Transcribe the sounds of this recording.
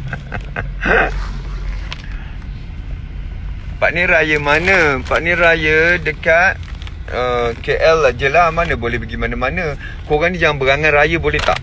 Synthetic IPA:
paʔniɾajəmanə̃paʔnirajədəkat̪̚ | əkeʔɛlːad͡ʒəlamanə̃bolɛbəɡimanəmanə | koɣaŋnid͡ʒaŋanbəɣaŋanrajəbolɛht̪a̰ʔ

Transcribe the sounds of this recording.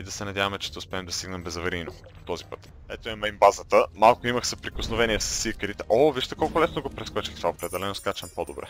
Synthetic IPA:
id̪ɐsɛnɐd̪javəmɛt͡ʃɛʃt̪ɛʊspɛːmd̪ɐst̪iɡnɛmbɛzɐvɐɾino | t̪ɔzipət̪ | ɛ̰t̪oɛmɛimbazət̪əmalˠkʊiməxsɐpɾikosnovɛniɛfsə̥sikəɾit̪ɛʔoviʃt̪ɐkɔlˠkʊlɛsnoɡopɾɛt̪skɔt͡ʃixt̪vaopɾɛd̪ɛlɛnoskat͡ʃɐmpod̪obɾɛ̰

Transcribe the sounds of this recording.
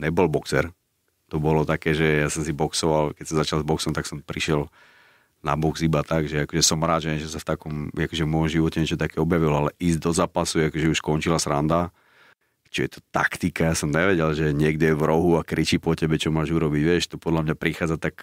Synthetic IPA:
ɲɛbɔlbɔksɛɾ | t̪ɔbɔlɔt̪akɛːʒɛjasɔmsibɔksɔʋalkɛcsɔmzat͡ʃalzbɔksɔmt̪aksɔmpɾiʃɛl | na̰bɔɡsibat̪aɡʒɛakɔʒɛsɔmɾaːd̪ʒɛɛnʒɛsaft̪akɔmakɔʒɛvmɔjɔmʒiʋɔcɛɲɛt͡ʃɔt̪akɛɔbjaʋilɔalɛʔiːzɟd̪ɔzaːpasuakɔʒɛuʃkɔnt͡ʃilasɾand̪a | t͡ʃijɛt̪ɔ̥t̪a̰kt̪ikajasɔmɲɛʋɛɟɛlʒɛɲɪɛɡd̪ɛʋɾɔɦuakɾit͡ʃipɔcɛbɛt͡ʃɔmaːʒuɾɔbiɟʋɪɛʃt̪ɔpɔd̪lamɲapɾixaːd͡zat̪ak

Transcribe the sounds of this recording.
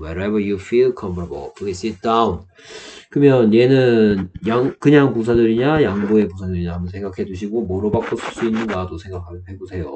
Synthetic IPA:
wʌɾebə˞jufilkʰʌmpʰʌbo̰pʰlisit̚d͈aun | kɯmjʌnje̞nɯnjaŋkɯɲaŋpus̬ʰadɯɾiɲajaŋboe̞posʰadɯɾiɲaamʌnsʰe̞ŋɡakʰe̞d͡ʑuɕʰiɡomoɾobak͈osʰɯɭs͈uinːɯnɡadosʰe̞ŋɡakʰamjʌnɦebosʰe̞jo

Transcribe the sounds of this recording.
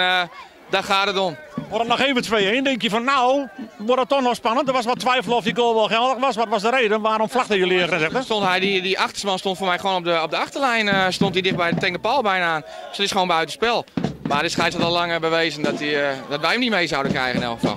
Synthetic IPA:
dɔtxaːtdətonʋodətnɔxeːvətʋeːendɪŋkjəfɔnːawʋɔdətːɔxnɔxspanəntdəʋɔsʋɔtʋɛjfəlˠɔfjəɡoːlˠʋɔlˠxɛlˠdəxʋɔsʋɔtʋɔsdəɾeːdənʋaːɾɔmflaxtəjəlɪəɣərɛnsɛxdəstontɦɛjdidiʔaxtə̥rsmanstontfoːrmɛjxʋoːnɔp̚dəɔp̚dəaxtərlɛjnəstontidɪx̚bɛjdətɪŋdəpɔlˠbɛjnaːn | sdɔtɪsxəʋoːnmbœɥtənspɛlˠmadɪsxajshɔtɔlaŋəbəʋeːzəndɔtidɔtʋɛjhəmdimejzawdənkrɛ̰jɣənɪnɛ̰lˠxəfɑ̰lˠ

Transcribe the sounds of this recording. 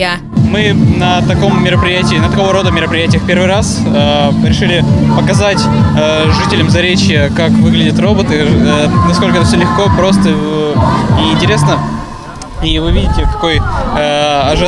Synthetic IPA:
mɨnət̪ɐko̞mːʲɪɾəpɾʲɪjætʲɪiːnət̪ɐko̞vəɾo̞d̪əmʲɪɾəpɾʲɪjætʲɪjəxpʲe̞rvɨjɾas | əɾʲɪʂɨlʲɪpəkɐzatʲə | ʐɨtʲɪlʲəmzɐɾʲet͡ɕjəkakvɨɡlʲɪdʲɪt̪ro̞bət̪ɨnɐsko̞lʲkəɛt̪əfsʲolʲɪxko̞pɾo̞st̪ə | ɪɪnʲtʲɪɾʲe̞snə | ivɨvʲidʲɪtʲɪk̪ɐ̥ko̞jəɐʐɨ

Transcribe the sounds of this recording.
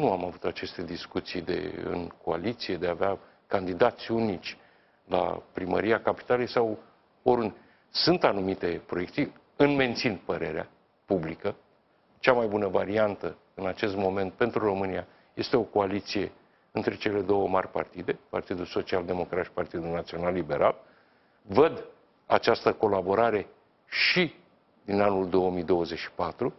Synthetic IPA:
nuamavut̪at͡ʃe̞st̪e̞d̪iskut̪sijd̪ḛɨ̰nko̞a̰lit̪sije̞d̪e̞avea | kand̪id̪at̪sʲunit͡ʃʲ | la̰pɾimə̰ɾiakapi̥t̪alejsaw | oɾund̪ | sɨnt̪anumit̪e̞pɾojekt̪si | ɨnme̞nt̪sinpəɾe̞ɾea̰ | publikə | t͡ʃamajbunəvaɾiant̪ə | ɨnat͡ʃe̞st̪mo̞me̞nt̪̚pe̞nt̪ɾuro̞mɨnia | je̞st̪e̞o̞ko̞alit̪sije̞ | ɨnt̪ɾe̞t͡ʃe̞le̞d̪o̞wəmarʲpa̰rt̪id̪e̞part̪id̪ulso̞t͡ʃiald̪e̞mo̞kɾat̪ʃi̥part̪id̪ulnat̪sio̞nalːibe̞ɾʔa̰l | vəd̪ | at͡ʃast̪əko̞labo̞ɾaɾe̞ | ʃi | d̪inanuld̪o̞omijd̪o̞wəzet͡ʃʃi̥pat̪ɾu

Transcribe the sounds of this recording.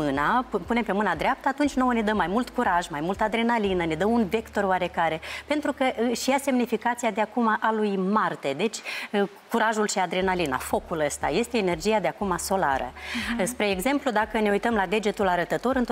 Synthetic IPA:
ɨnapunempe̞mɨnad̪ɾeap̚t̪əat̪unt͡ʃʲno̞woned̪əmːajmult̪kuɾaʒmajmult̪ad̪ɾe̞nalinəned̪əmunve̞kt̪o̞roaɾe̞kaɾe̞pe̞nt̪ɾukəʔʃijase̞mnifikat̪siad̪eakumaʔalujmart̪e̞d̪e̞t͡ʃʲ | kuɾaʒulʃiad̪ɾe̞nalina̰fo̞kuləst̪a̰je̞st̪e̞ːne̞rd͡ʒijad̪eakumaso̞la̰ɾə̰spɾe̞ːɡze̞mplud̪akəne̞ujt̪əmlad̪e̞d͡ʒe̞t̪ulaɾət̪ət̪o̞ɾɨnt̪

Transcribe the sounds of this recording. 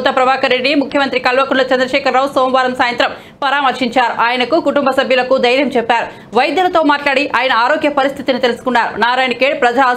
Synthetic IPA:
t̪ːɐpɾɐbaːkɐɾeɖnimukʰjɐmɐnt̪ɾikɐlʋɐkuɳlɐt͡ʃɐnd̪ɾɐʃɛːkɐɾːaːwusoːmʋaːɾɐmsaːjɐnt̪ɾɐm | pɐɾaːmɐɾʂiɲt͡ʃaːɾuʔaːjɐnɐkukuʈumbɐsɐbʱjɐlɐkud̪ɐjɾjɐmt͡ʃɛpːaːɾu | ʋɐjɐd̪jɐlɐt̪o̞ːmaːʈlaːɽiʔaːjɐnɐaːɾoːɡjɐpɐɾist̪ʰit̪init̪elusu̥kunːaːɾṵnaːɾaːjɳkeːɖpɾɐd͡ʒa

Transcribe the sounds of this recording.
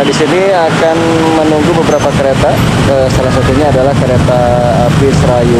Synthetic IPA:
disini | akan | mənuŋɡubəbəɾapakəɾet̪a | əsalahsat̪uɲaːdalahkəɾet̪aː | pisɾaju

